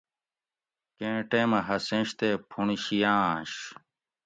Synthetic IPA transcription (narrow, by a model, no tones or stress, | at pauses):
kẽːʈeːmɐɦɐsẽɕt̪eːpʰuniɕijãːɕ